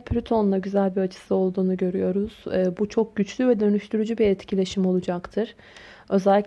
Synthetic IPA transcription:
pʰlʲyt̪ʰo̞nlˠaɟyzælʲbiɾat͡ʃʰɯ̥sɯo̞lˠd̪uːnuɟø̞ɾyjo̞ɾuz̥ɛːbut͡ʃʰo̞k̚ɟyt͡ʃlʲyvɛd̪ø̞nyʃt̪ʰyɾyd͡ʒybiɛt̪cʰilʲe̞ʃimo̞lˠud͡ʒakt̪ʰɯɾ̥ | ø̞zɛlʲːic

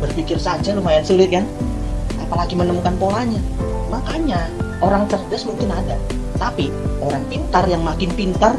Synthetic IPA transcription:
bərfikɪrsad͡ʒalʊmajansulɪt̪̚kan | apalaɡimənəmukanpolaɲamakaɲaoɾaŋt͡ʃərdəsmuŋkɪnadat̪apioɾaŋpint̪arjaŋmakɪnpint̪ar

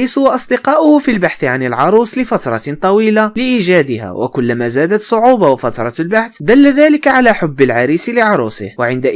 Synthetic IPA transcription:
isʊwɑʔɑsˤd̪ɪqɑːʔʊhʊfilbaħθʕanɪlʕɑɾˤuːslɪfɑt̪ɾˤɑt̪ˤɑwiːlalɪʔiːʒaːd̪ɪha̰ːwʔa̰kʊlːamaːzaːd̪at̪sˤʊʕuːbɑwafat̪ɾˤɑlbaħθd̪alːaðaːlɪkaʕalaːħʊbːalʕɑɾiːsɪlɪʕɑɾˤuːsɪ̰hwaʕɪnd̪aʔ

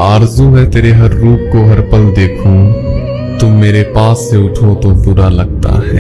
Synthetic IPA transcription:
aːɾzũɦɛ̃t̪eːɾeɦɐɾːuːpkoɦɐɾpɐld̪eːkʰũ | t̪omeːɾepaːsːeʊʈʰot̪opʊɾalɐɡ̚t̪a̰ɦɛ̰ː

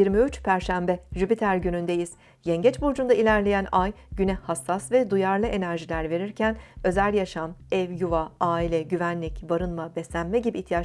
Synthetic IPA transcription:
iɾmiyt͡ʃpʰæɾʃæmbɛʒypit̪ʰæɾɟynynd̪ejiz̥ | jɛɲɟɛt͡ʃbuɾd͡ʒund̪ailʲæɾlʲejænaj | ɟynɛhasːasvɛd̪ujaɾlˠɯʔe̞næɾʒilʲæɾve̞ɾiɾcʰænø̞zælʲjaʃamɛvjuvaaːilʲɛɟyvænlʲicbaɾɯnmabɛsʲænmɛɟibiːçt̪ʰija

